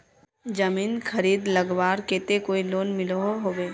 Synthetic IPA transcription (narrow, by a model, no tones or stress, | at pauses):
d͡ʒɐmiːnkʰɐɾiːd̪lɐɡʋaːɾkeːt̪ekoːiloːnmɪloɦoɦoːʋeː